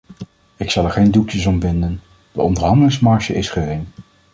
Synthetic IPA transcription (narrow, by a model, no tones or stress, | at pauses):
ɪksɑlˠɛɹχejndukjəsɔmbɪndən | d̥əɔndəɹɦɑndəlɪŋsmɑɹʃə̰ʔɪsχərɪŋ